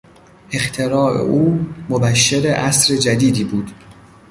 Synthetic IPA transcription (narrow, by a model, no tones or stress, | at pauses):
ʔe̞xt̪ʰe̞ɾɒːḛʔuːmobæʃːeɾeʔæsɾed͡ʒæd̪iːd̪iːbuːd̪̥